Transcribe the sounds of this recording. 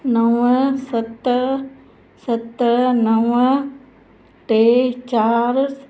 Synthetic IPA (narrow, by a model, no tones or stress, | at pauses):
nəʋsət̪ | sət̪nəʋ | ʈeːt͡ʃaːɾs